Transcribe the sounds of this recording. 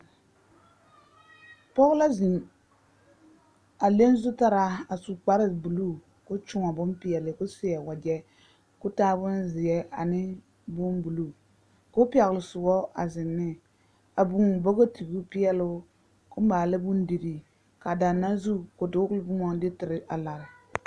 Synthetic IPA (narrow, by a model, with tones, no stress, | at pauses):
pɔ˦ɣla˦zi˨n | a˨le˦n˦zʊ˦ta˦ɾa˦a˨su˨k͡pa˦ɾɪ˦bu˨lu˦˨ | kʊ˦t͡ʃʊ˦ŋa˨bʊ˦npɪ˦ɛ˨lɪ˨kʊ˦sɪ˦ɛ˨wa˨d͡ʒɛ˦ | kʊ˦taː˦bʊ˦nzɪ˨ɛ˦a̰˨nɪ˦ | bʊ˦mbu˨lu˦˨ | kʊ˦pɪ˦ɛ˨ɣɪ˨lɪ˨sʊ˨ɡɔ˦a̰˨zɪ˨nːɪ˦ | a˨bu˨ŋ˨bɔ˦ɡo˦tʰi˨bu˦pɪ˦ɛ˦lʊ˦ | kʊ˦m˦baː˨la˦bʊ˦n˦di˨ɾi˨ | ka˨da˨nːa˦zu˦kʊ˨dʊ˦kʊ˦lɪ˦bʊ˦mɔ˦dɪ˦tɪ˨ɾɪ˦ʔa˨la˨ɾɪ˨